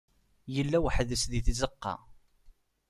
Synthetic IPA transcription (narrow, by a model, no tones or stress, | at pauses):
jəlːæwħðəsðiθizəqːɑ̰